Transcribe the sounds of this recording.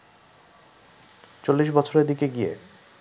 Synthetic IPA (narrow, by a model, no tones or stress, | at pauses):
t͡ɕolːiʃbɔt͡ɕʰoɾeɾd̪ikeɡiḛ